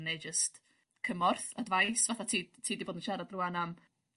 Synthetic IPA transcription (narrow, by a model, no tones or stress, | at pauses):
nejd͡ʒəst | kʰəmɔrθadvajsvaθatʰiːtʰiːdiboːdənʃaɾadrʊanam